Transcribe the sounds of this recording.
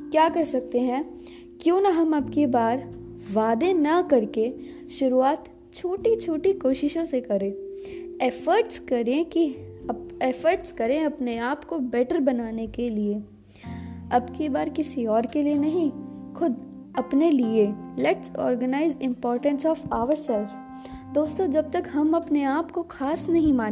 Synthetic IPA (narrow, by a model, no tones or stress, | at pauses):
kjaːkɐɾsɐk̚t̪eɦɛ̃ː | kjõːnɐɦɐmɐbkebaːɾ | ʋaːd̪enɐkɐɾke | ʃʊɾuaːt̪ | t͡ʃʰoːʈit͡ʃʰoːʈikoːʃɪʃõsekɐɾẽː | ɛfəɾʈskɐɾẽkiɐɛfəɾʈskɐɾẽɐpneaːpkobɛʈəɾbɐnaːnekelie | ɐbkebaːɾkɪsiɔːɾkelienɐɦĩxʊd̪ | ɐpnelielɛʈsɔ̰ːɾɡənaːɪzɪ̃mpɔːɾʈə̃nsɔːfaːʋəɾsaɪɾ | d̪oːst̪õd͡ʒɐb̚t̪ɐkɦɐmɐpneaːpkoxʰaːsnɐɦĩmãːn